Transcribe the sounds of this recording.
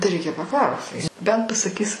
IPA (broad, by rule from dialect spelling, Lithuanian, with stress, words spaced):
tɐɪ ˈrʲɛɪkʲɛ pɐˈklˠɐʊs bʲɛnt pɐsɐˈkʲiːs